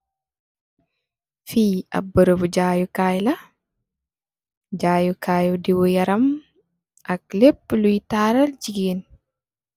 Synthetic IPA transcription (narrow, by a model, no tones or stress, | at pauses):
fiːa̰bːəɾobud͡ʒaːjukaːjla | d͡ʒaːjukʰaːjudiwɔjaɾam | ʔakleblujtaːɾald͡ʒiɡen